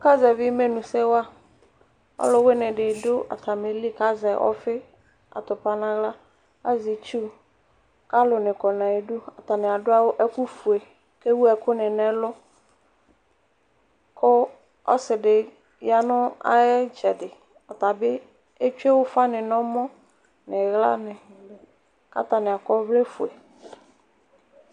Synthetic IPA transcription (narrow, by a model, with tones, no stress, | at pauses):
ʊ˦ka˦zɛ˨vɪ˦me˦nũ˨sɛ˦wʊ˦a˦ | ɔ̰˦lʊ˦wɪ˦nɪ̃˨ɖɪ˨dʊ˦a̰˨t̪ʰa˨me˨li˦ka˦zɛ˨ʔɔ̰˦fɪ˦ | a̰˨t̪ʊ˨pa˨nã˦ɣla˦ | a˦zi˨t͡ʃu˦ | ka˦lʊ˨nɪ̃˨kɔ˨nã˨e˨du˦a˨t̪a˨nɪ̃˨a˨dʊ˦a˦wʊ˦ʔɛ˦ku˦fu˨e˨ | ke˦wu˦ɛ˨kʊ˦nɪ˨nɛ˦lʊ˦ | kʊ˦ | ɔ̰˦sɪ˨dɪ˨ | ja˦nʊ̃˦a̰˦ɛ˦d͡ʒɛ˨dɪ˨ | ɔ˨t̪a˨bɪ˦ | e˦t͡ʃu˦e˦wʊ˦fa˦nɪ̃˨nɔ̃˦mɔ̃˦ | nɪ˨ɣla̰˦nɪ̃˨ | ka̰˦t̪a˨nɪ̃˨a˨kɔ˦vle˦fu˨e˨